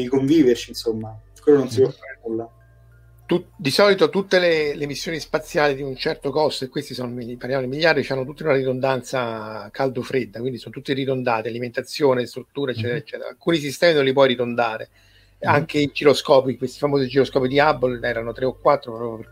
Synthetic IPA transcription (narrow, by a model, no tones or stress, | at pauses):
ikoɱviːvert͡ʃinsomːa | kwelːonons̬ipwɔfːaːɾenulːa | t̪ud̪isɔːlit̪ot̪ut̪ːelelemisːjoːnispat̪sːjaːlid̪iunt͡ʃɛrt̪okɔsoekːwest̪isonmipaɾrljamod̪imiʎːard̪it͡ʃanːot̪ut̪ːeunaɾid̪ond̪ant̪sakʰald̪ofɾed̪ːakwind̪isonot̪ut̪ːiɾid̪ond̪aːt̪ialiment̪at̪sːjoːnest̪ɾut̪ːuːɾaet͡ʃːɛːt̪eɾaet͡ʃːɛːt̪ḛɾa̰lkuːnisist̪ɛːminõnlip̬wɔjɾid̪ond̪aːɾḛ | aŋkeid͡ʒiɾoskɔːpikwest̪ifamoːzid͡ʒiɾoskɔːpid̪iabːolɛːɾanot̪ɾeokːwat̪ːɾopɾɔpjop